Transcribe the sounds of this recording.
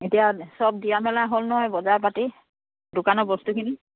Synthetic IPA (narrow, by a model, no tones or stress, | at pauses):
etijasɔb̚diamɛlaɦolnɔɦɔjbɔzaɹpati | dʊkanɔbɔstukʰini